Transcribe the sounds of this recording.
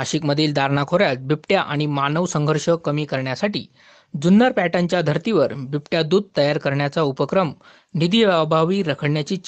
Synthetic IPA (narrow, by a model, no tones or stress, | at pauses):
aɕikməd̪ʱiːld̪ʱaɾnakʰoɾjat̪̚bʱipʈjaʔaɽ̃imanəʋsəŋɡʱəɾʂəkəmiːkəɾɳjasaʈḭː | d͡zunːəɾpæʈãɲt͡ɕjad̪ʱəɾt̪iʋəɾbipʈjad̪uːd̪̚t̪əjaɾkəɾɳjat͡saupəkɾəm | nid̪iʋaʋbʱaʋiːɾəkʰəɽɳjat͡ɕiːt͡ɕ